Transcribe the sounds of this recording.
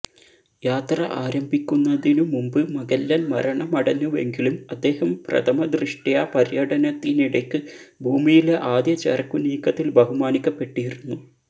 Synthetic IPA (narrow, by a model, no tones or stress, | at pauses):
jaːt̪rɐʔaːɾɐmbʱikʲːunːɐðinumumbɨmɐɡɐlːɐnmɐɾɐɳɐmɐɽɐnuʋe̞̰ŋɡilumɐd̪ːe̞ːhɐmprɐ̰t̪ʰɐmɐd̪riʂʈijapɐɾjɐɽɐnɐt̪ːiniɽekːɨbʱuːmijileʔaːd̪jɐt͡ɕḛrkːuniːkːɐt̪ːilbɐɦumaːnikʲːɐpːe̞ʈːijiɾunːu